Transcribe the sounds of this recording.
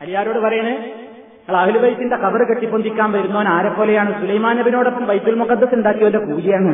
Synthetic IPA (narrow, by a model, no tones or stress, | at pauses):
ɐljaːɾo̞ːɽɨʋɐɾɐjɳɨ | ɐŋːɐɭɐhilubɐjt̪ːindekɐbɐrɨkeʈːipːond̪ikʲːaːnʋɐɾunːoːnaːɾepːo̞ːlejaːɳɨsulɐjmaːnɐbino̞ːɽopːɐmʋɐjt̪ːilmokːɐt̪ːɐsend̪aːkːijondekuːd͡ʑijaːɳɨ